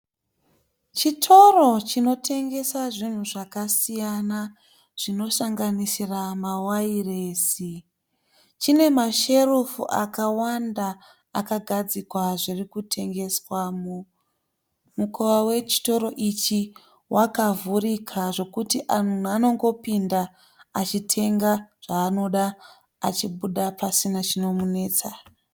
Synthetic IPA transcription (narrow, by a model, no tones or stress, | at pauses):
t͡ʃitʰo̞ro̞t͡ʃino̞tʰe̞ŋɡe̞saʐin̤uʐakasijana | ʐ̥ino̞saŋɡanisiramawaireːsi | t͡ʃine̞maʃe̞rufṵʔa̰kawandaː | kaɡʱad͡zikwaʐirikutʰe̞ŋɡe̞swamu | mukowawe̞t͡ʃi̥to̞ɾo̞ʔit͡ʃi | wʔakavurikʰaʐo̞kutiʔaano̞ŋɡo̞pindaː | t͡ʃitʰe̞ŋɡaʐ̥aːno̞ɗaː | t͡ʃiɓuɗapasinat͡ʃino̞mune̞ːt͡sa